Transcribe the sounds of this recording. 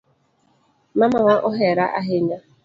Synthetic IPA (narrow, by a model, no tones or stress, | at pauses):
mamaŋʷaʔʊɦeɾaʔaɦɪɲa